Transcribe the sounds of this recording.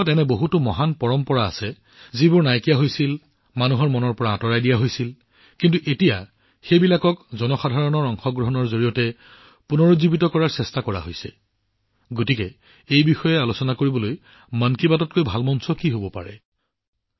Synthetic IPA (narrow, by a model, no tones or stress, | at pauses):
tɛnɛboɦutʊmɔɦanpɔɹɔmpɔɹa̰ːsɛ | zibʊɹnajkijaɦojsil | manuɦɔɹmɔnɔɹpɔɹaːtɔɹajdijaɦojsil | kintuʔetija | xejbilakɔkzɔnɔxadʱaɹɔnɔɹɔŋxɔɡɹɔɦɔnɔɹzoɹijɔtɛ | punɔɹozibitɔkɔɹaɹsɛstakɔɹa̰ɦojsɛ̰ | ɡotikɛ | ejbixɔjɛalosɔnakoɹibɔloj | mankibatɔt̚kojbʱalmɔnsɔkiɦobɔpa̰ɹɛ̰